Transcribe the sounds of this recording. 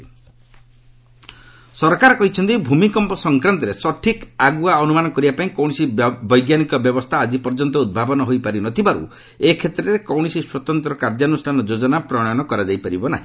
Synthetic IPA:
sɔɾkaɾɔkɔɦit͡ʃʰɔnt̪ibʱumikɔmpɔsɔŋkɾant̪ɔɾesɔʈʰikaɡuaɔnumanɔkɔɾibapãĩkɔw̃isibɔjɡjanikɔbjɔbɔst̪ʰaːd͡ʒipɔɾd͡ʒɔnt̪ɔud̪̚bʱabɔnɔɦojpaɾinɔt̪ʰibaɾṵ | ekʰet̪ɾɔɾekɔwɽ̃isiswɔt̪ɔnt̪ɾɔkaɾd͡ʒanusʈʰanɔd͡ʒod͡ʒɔnapɾɔɽ̃jɔnɔkɔɾad͡ʒajpaɾibɔna̰ɦĩ

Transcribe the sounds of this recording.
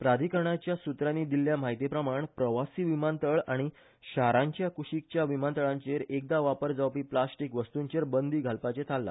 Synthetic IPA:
pɾad̪ʱikəɾɳat͡ɕjasut̪ɾanːiːd̪ilːjamaɦit̪ipɾəmaɳpɾəʋasiːʋimant̪əɭaɽ̃i | ɕaɾãɲt͡ɕjakuɕik̚t͡ɕjaʋimant̪əɭãɲt͡ɕeɾek̚d̪aʋapəɾd͡zawpiːplasʈikʋəst̪uɲt͡ɕeɾbənd̪iːɡʱalpat͡ɕet̪ʰalːa̰

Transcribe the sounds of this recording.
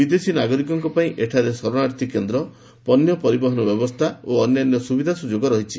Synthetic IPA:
bid̪esinaɡɔɾikɔŋkɔpaĩʔeʈʰaɾesɔɾɔɽaɾt̪ʰikend̪ɾɔ | pɔnjɔpɔɾibɔɦɔnɔbjɔbɔst̪ʰaoɔnjanjɔsubid̪ʱasud͡ʒoɡɔɾɔɦit͡ʃʰi

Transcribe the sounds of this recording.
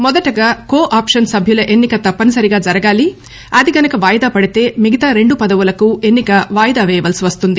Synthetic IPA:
mɔd̪ɐʈɐɡaːkoːʔaːpʂɐnsɐbʱjulɐʔenːikɐt̪ɐpːɐnusɐɾiɡaːd͡ʒɐɾɐɡaːli | ɐd̪iɡɐnɐkɐʋaːjɐd̪aːpɐɽit̪e̞ːmiɡɐt̪aːɾe̞ɳɖupɐd̪ɐʋulɐkue̞nːikɐʋaːjɐd̪aːʋɛːjɐʋɐlsiʋɐst̪und̪i

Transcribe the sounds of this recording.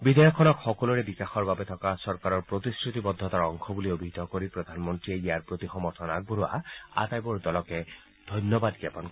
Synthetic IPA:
bid̪ʱɔjɔkʰːɔnɔkxɔkɔluɹɛbikaxɔɹbabɛt̪ʰɔkasɔɹkaɹɔɹpɹot̪isɹut̪ibɔd̪ʱːɔt̪aɹɔŋkʰɔbuliobʱid̪ʱɔkoɹipɹɔd̪ʱanmɔntɹiɛijaɹpɹot̪ixɔmɔɹt̪ʰɔnak̚buɾua̰a̰t̪ajbɔɹd̪ɔlɔkɛ | d̪ʱɔjnjɔbad̪ɡjapɔnk

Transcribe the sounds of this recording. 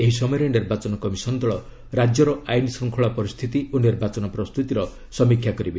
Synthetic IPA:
eɦisɔmɔjɔɾeniɾbat͡ʃɔnɔkɔmisɔnd̪ɔɭɔ | ɾad͡ʒjɔɾɔajnisɔŋkʰɔɭapɔɾist̪ʰit̪iʔoniɾbat͡ʃɔnɔpɾɔst̪ut̪iɾɔ | sɔmikʰːjakɔɾibe

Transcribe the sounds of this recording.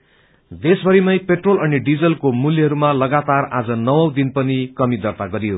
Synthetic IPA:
d̪esbʱʌɾimʌjpeʈrolʌniɖid͡zʌlkomuljʌɦʌɾumalʌɡat̪arad͡zʌnʌwʌw̃d̪inpʌnikʌmid̪ʌrt̪aɡʌɾijo

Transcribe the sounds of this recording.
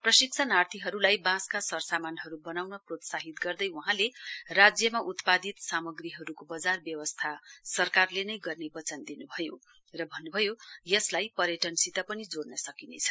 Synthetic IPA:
prʌsik̚t͡sʰanart̪ʰiɦʌɾulajbãskasʌrsamanɦʌɾubʌnawnʌprot̪saɦit̪ɡʌrd̪ʌjwuɦãlerad͡zjʌmaʔut̪pad̪it̪samʌɡriɦʌɾukobʌd͡zarbjʌwʌst̪ʰasʌrkarlenʌjɡʌrnebʌt͡sʌnd̪inubʱʌjo | rʌbʱʌnːubʱʌjojʌslajpʌɾjʌʈʌnsit̪ʌpʌnid͡zornʌsʌkinḛjt͡sʰʌ

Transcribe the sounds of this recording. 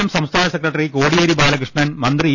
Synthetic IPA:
ɐmsɐmst̪ʰaːnɐsekɾɐʈːɐɾikoːɽijɐɾibaːlɐkɾɪʂɳɐnmɐnd̪ɾɨ

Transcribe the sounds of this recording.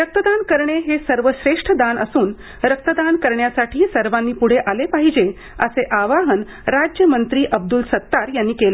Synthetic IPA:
ɾək̚t̪əd̪ankəɾɳeɦesəɾʋəɕɾeʂʈʰəd̪anəsuːn | ɾək̚t̪əd̪ankəɾɳjasaʈʰiːsəɾʋanːiːpuɽ̤eʔalepaɦid͡ʑe | əseʔaʋaɦən | ɾad͡ʑjəmənt̪ɾiːʔəb̚d̪ulsət̪ːaɾjanːiːkela

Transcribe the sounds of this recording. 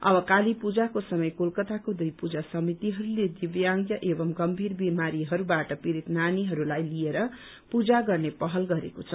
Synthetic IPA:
ʌ̰bʌkalipud͡zakosʌmʌjkolkʌt̪akod̪ujpud͡zasʌmit̪iɦʌɾuled̪ibjaŋɡjʌʔebʌmɡʌmbʱirbimaɾiɦʌɾubaʈʌpiɾit̪naniɦʌɾulajlieɾʌ | pud͡zaɡʌrnepʌɦʌlɡʌɾekot͡sʰʌ

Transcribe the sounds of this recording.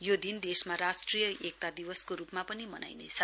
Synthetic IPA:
jod̪ind̪esmaɾasʈrijʌʔek̚t̪ad̪ibʌskoɾupmapʌnimʌna̰jnḛt͡sʰʌ

